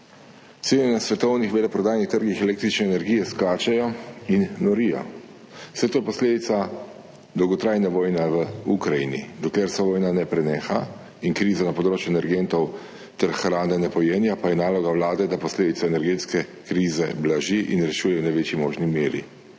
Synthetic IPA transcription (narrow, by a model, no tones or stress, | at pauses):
t̪seːnʲɛnasʋɛt̪ɔwnixʋelɛpɾɔd̪aːjnixt̪əɾɡixɛleːk̚t̪ɾit͡ʃnɛːnɛɾɡiːjɛskaːt͡ʃɛjɔinnɔɾija̰ | wsɛt̪oːjɛpɔsleːd̪it̪sa | d̪ɔwɡɔt̪ɾaːjnɛʋoːjnɛʋəukɾajinḭd̪ɔkleɾsɛʋoːjnanɛpɾɛneːxa | iŋkɾiːzanapɔd̪ɾoːt͡ʃjuɛnɛɾɡent̪ɔw | t̪ɛɾxɾaːnɛnɛpɔjeːnjapajɛnaːlɔɡawlaːd̪ɛd̪apɔsleːd̪it̪sɔɛnɛɾɡeːt̪skɛkɾiːzɛblaʒiʔinɾɛʃuːjɛwnaʋeːt͡ʃimoːʒnimeːɾḭ